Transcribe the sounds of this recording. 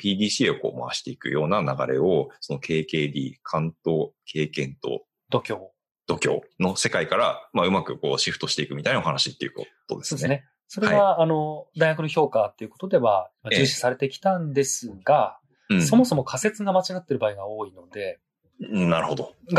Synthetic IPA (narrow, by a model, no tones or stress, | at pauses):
pʲiːd̪ʲiːɕio̞ko̞̰ːma̰a̰ɕi̥t̪e̞ikɯ̟̰jo̞ːnanaɡa̰ɾe̞o̞so̞no̞kʰe̞ːke̞ːd̪ʲḭːkʰãnt̪o̞ːkʰe̞ːkẽ̞nt̪o̞̰ | d̪̥o̞kʲo̞ː | d̪̥o̞kʲo̞̰ːno̞se̞kaikaɾamaɯ̟makɯ̟ko̞̰ːɕiɸɯ̟t̪o̞ɕi̥t̪e̞ikɯ̟mit̪ainaohanaɕit̪ːe̞iɯ̟̰koo̞̰d̪esoːd̪enene | so̞ɾeβaːno̞d̪aiŋakɯ̟noço̞ːkat̪ːe̞iɯ̟ko̞t̪o̞d̪e̞βaimad͡ʑɨːɕi̥saɾe̞t̪ekʲi̥t̪ãnd̪e̞sɨɡã | so̞mo̞so̞mo̞kʰase̞t͡sɨɡamat͡ɕiɡat̪ːe̞ɾɯ̟baiɡao̞ːino̞d̪e̞ | naɾɯ̟ho̞d̪o̞ɡ